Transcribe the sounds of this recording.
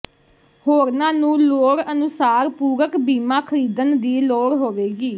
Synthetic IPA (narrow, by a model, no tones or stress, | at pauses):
hoːɾnãːnũːloːɽənʊsaːɾpuːɾəkbiːmãːkʰəɾiːd̪ənd̪iːloːɽɦoːʋeːɡiː